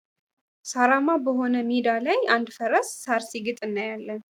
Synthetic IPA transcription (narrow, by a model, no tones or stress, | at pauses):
saɾamabəɦo̞nəmed̪alajand̪fəɾəsːaɾsiɡɨt̪ʼɨnːəjalːən